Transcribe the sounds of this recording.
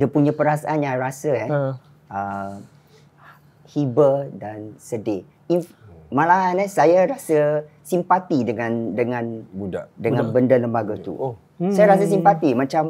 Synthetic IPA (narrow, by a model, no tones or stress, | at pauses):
dəpuɲãpəɾasa̰ʔanjãɾasəa | ə | hibədansəde | infmãlaɦanɛsajaɾasəsimpat̪idəŋãndəŋãnbudadəŋãnbəndələmbaɡat̪ṵ | sajaɾas̬əs̬impat̪imãt͡ʃam